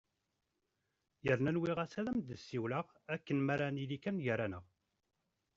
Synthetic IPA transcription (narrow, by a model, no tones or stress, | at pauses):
jəɾnænwiʁæsæðæmd̪əsːiwləʁ | ækːənmæɾanilikænjəɾanəʁ